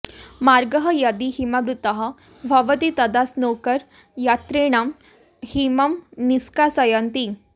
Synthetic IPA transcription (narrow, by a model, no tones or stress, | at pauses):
maɾɡəɦəjad̪iɦimabɾut̪əɦə | bʱəʋət̪it̪əd̪asnokəɾ | jat̪ɾeɽam | himəmniskasəjant̪i